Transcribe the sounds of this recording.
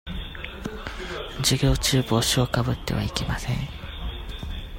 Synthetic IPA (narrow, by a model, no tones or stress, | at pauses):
d͡ʑɨɡʲo̞ːt͡ɕɨːbo̞ːɕio̞kabɯ̟t̪ːe̞̰βa̰ikʲemasẽ̞ŋ